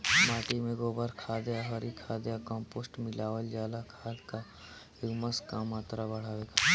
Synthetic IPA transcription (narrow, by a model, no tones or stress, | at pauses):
maːʈimẽɡoːbəɾkʰaːd̪jaɦɔɾikʰaːd̪jakɔ̃ːmpoːsʈmɪlaːwəld͡ʒaːlakʰaːd̪ka | ɪkməskamaːt̪ɾabɐɽ̤aːʋeːɡaː